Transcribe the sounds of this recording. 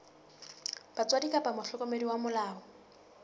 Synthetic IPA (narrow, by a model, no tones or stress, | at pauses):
b̥at͡sʼwadikʼapʼamʊɬɔkʼɔmediwamʊlaːɔ